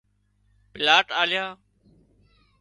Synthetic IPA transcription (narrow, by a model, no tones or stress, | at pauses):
pɪlaːʈaːlɪjaː